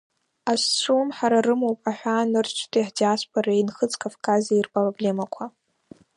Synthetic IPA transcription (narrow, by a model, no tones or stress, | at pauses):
ast͡sʷʰumħaɾarɨmowpʼaħᶣʷanɨrt͡ʃʰtʰiiħdiasʷpʰoɾainχət͡sʰʼkʰʼafkʰʼazeirpʼroble̞makʷʰa